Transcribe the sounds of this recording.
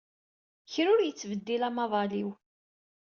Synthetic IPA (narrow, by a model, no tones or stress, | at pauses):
çɾʊɾjət͡sːvəd̪ːilæmɑðˤɑliw